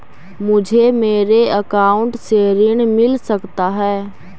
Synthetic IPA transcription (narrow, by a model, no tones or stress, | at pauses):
mʊd͡ʒʱemeːɾeəkaːʊɳʈseɾɪɽ̃mɪlsəkt̪aɦɛː